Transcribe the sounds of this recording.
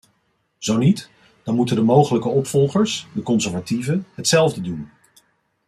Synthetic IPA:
z̥ownit | d̥ɑnmutəndəmowχələkəɔpfɔlˠχəɹsdəkɔnsɛɹvativəɦətsɛlˠvdədun

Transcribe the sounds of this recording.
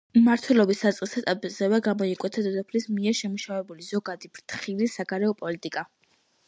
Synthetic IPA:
maɾt̪ʰwɛlɔbisːat̪sʼqʼisat̪ʼazɛvɛɡamɔikʼwɛt̪ʰad̪ɔd̪ɔpʰlismiɛɾʃɛmuʃavɛbulizɔɡad̪ibɾt̪ʰχilisaɡaɾɛɔpʼɔlit̪ʼikʼa

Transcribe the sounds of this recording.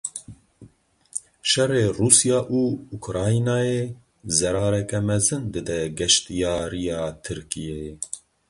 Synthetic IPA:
ʃɛreːruːsijɑːʔuːukɾɑːjinaːje | zɛɾɑːɾɛkɛmɛzɨnd̪ɨd̪ɛɡɛʃt̪ijɑːɾijɑːt̪ʰɨɾkijɛjɛ

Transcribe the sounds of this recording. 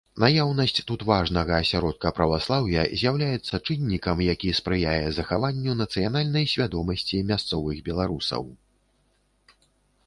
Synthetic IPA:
najawnɐsʲt͡sʲt̪ut̪vaʐnɐɣɐːsʲaɾɔt̪̚kɐpɾɐvaslˠawjɐzʲjawlʲajɛt̪sːɐt͡ʂɨnʲːikɐmjakʲispɾɨjajɛzɐxavanʲːunɐt̪sɨjanalʲnɐjsʲvʲad̪ɔmɐsʲt͡sʲimʲast̪sɔvɨɣbʲɛlˠaɾusɐ̰w

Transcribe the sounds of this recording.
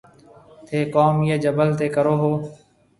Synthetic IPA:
t̪ʰeːkoːmjeːd͡ʒəbəlt̪eːkəɾoːɦoː

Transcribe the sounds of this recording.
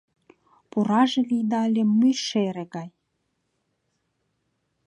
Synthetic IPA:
puɾɑʒĕlid̪ɑlʲemːɯjʃeɾĕɣɑj

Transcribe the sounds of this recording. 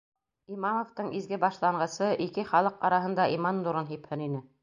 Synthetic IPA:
imɑmŏft̪ɤɴʔizɡɘbɑʃlˠɑɴɢɤ̆sɤʔikɘχɑlˠɤqɑɾɑɦɤ̆nd̪ɑʔimɑnd̪uɾɤnɦiphɘ̆ninɘ

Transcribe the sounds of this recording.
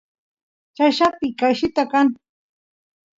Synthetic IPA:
t͡ʃaʃapɪkaʃɪt̪akan

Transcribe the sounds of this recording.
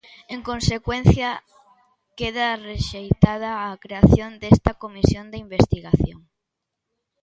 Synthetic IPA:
eŋkõnsekwen̟θjɐ | keðareʃejt̪að̞ɐːkɾeaθjond̪est̪ɐkomisjond̪eimbest̪iɣaθjoŋ

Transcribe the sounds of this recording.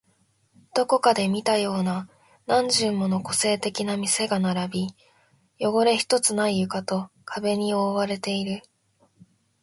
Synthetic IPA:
d̪̥o̞ko̞kad̪e̞mʲit̪ajo̞ːna | nãɲ̟d͡ʑɨ̃mːo̞no̞ko̞se̞ːt̪e̞kʲinamʲise̞ɡanaɾabʲi | jo̞ɡo̞ɾe̞çi̥t̪o̞t͡sɨnaijɯ̟kat̪o̞kʰabe̞ɲ̟io̞ːβaɾe̞t̪e̞iɾɯ̟

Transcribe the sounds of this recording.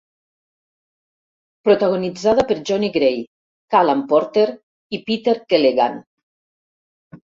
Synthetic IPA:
pɾot̪aɣonid͡zað̞apeɾd͡ʒɔniɡɾej | kalampɔɾt̪eɾ | ipit̪eɾkeleɣa̰n

